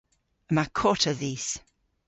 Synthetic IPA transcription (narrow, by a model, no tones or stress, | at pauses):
əmakʰɔtʰəðiːs